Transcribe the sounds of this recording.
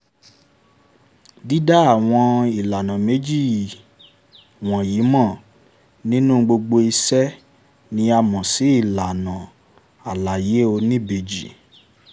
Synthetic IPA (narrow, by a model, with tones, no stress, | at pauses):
di˦da˦a˦˨w̃ɔ̃˧i˨la˨nã˨me˨˦d͡ʒi˦˨ | w̃ɔ̃˨ji˨˦mɔ̃˦˨ | nĩ˦nũ˦˧ɡ͡bo˧ɡ͡bo˧i˧sɛ˦ | nĩ˦a˧mɔ̃˨si˨˦i˦˨la˨nã˨ | a˨la˨je˨˦o˧nĩ˦be˨d͡ʒḭ˨